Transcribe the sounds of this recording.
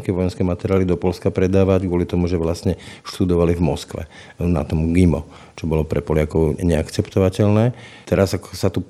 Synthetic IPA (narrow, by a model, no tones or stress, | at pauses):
kɛʋɔjɛnskɛːmat̪ɛɾɪaːlid̪ɔpɔlskapɾɛd̪aːʋaɟɡʋʊɔlit̪ɔmuʒɛʋlasɲɛʃt̪ud̪ɔʋalivmɔskʋɛ̰ | na̰t̪ɔmɡimɔ̰ | t͡ʃɔbɔlɔpɾɛpɔlakɔʊɲɛakt͡sɛpt̪ɔʋacɛlnɛːt̪ɛɾazakɔ̥sat̪u